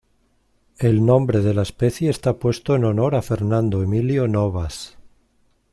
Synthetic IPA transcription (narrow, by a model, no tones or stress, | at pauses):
e̞lnõ̞mbɾe̞ð̞elaespeθjeːst̪apwe̞st̪oeno̞no̞ɾafe̞ɾnãnd̪oemiljonoβas